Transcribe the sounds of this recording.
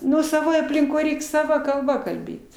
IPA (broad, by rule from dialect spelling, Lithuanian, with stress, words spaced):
ˈnʊ sɐˈʋoːj ɐpʲlʲɪŋˈkoːj ˈrʲɛɪk sɐˈʋɐ kɐlˠˈbɐ kɐlʲˈbʲeːt